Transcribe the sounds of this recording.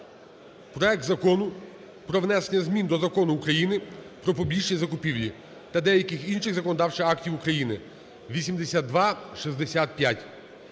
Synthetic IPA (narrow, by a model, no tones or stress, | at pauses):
pɾɔɛk̚t̪zɐkɔnʊ | pɾɔʋnɛsenʲːɐzmʲind̪ɔzɐkɔnʊːkɾɐjinɪpɾɔpɔbʲiʃʲizɐkʊpʲiwlʲi | t̪ɐd̪ɛjɐkɪxinʃɪɣzɐkɔnɔd̪ɑwt͡ʃɪɑktʲiwukɾɐjinɪ | ʋʲisʲimd̪esʲat̪̚ːʋɑʃizd̪esʲat̪̚pʲjatʲ